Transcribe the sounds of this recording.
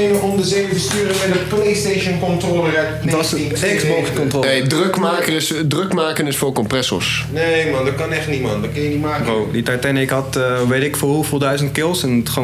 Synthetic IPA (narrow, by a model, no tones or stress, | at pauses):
eməɔmdəzejəfəstyːɾəmɛtdəplejstejʃənkɔntrolərɛtdɔsəi | ɛksbɔkskɔntroːnejdrøkmaːkərɪsdrøkmaːkənɪsfʊːɹkɔmprɛsɔ̰ɹs | nejmɑndɑt̚kɑnɛχtnitmɑ̰ndɑtkɑnjənimaːkəowditatɛnɪkɦɑtəʋejtɪkfʊːrɦufəlˠdœɥzəntkɪlˠsɛnətχa